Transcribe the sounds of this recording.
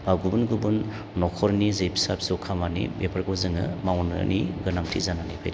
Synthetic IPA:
baɡubunɡubunː | ɔkʰɔɾnizejpʰi̥sap̚sokʰamanḭbepʰaɾɡɔzɯŋɯ̰mawnɯ̰nʔiɡɯnaŋtʰḭzananipʰa̰jd

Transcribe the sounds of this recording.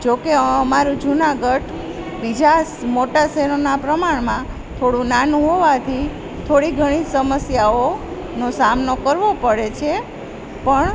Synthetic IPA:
d͡ʒokeəmaɾũd͡ʒunaɡəʈ | bid͡ʒasmoʈasɛɾonapɾəmaɳmã | t̪ʰoɽũnanũɦoʋat̪ʰi | t̪ʰoɽiɡʱəɽ̃isəməsjao | nosamnokəɾʋopəɽet͡ʃʰe | pəɳ

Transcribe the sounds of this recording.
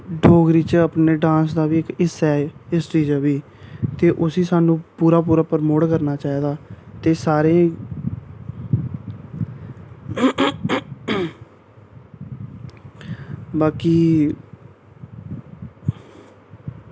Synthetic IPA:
ɖʱoːɡɾiːt͡ʃəpneːɖãːsd̪aːʋiːkɪsɛːɪst͡ʃiːd͡ʒəʋiː | t̪eːʔʊsiːsaːnũːpuːɾaːpuːɾaːpəɾmoːʈkəɾnaːt͡ʃaːiːd̪aːt̪eːsaːɾẽː | baːkiː

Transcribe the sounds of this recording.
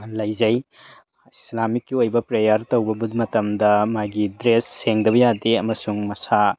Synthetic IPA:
lɐjzɐj | islamikːiojbɐpɾejɐɾtɐwbɐbudmɐtɐmdɐmaɡidɾesːeŋdɐβɐjadeɐmɐsuŋmɐsa

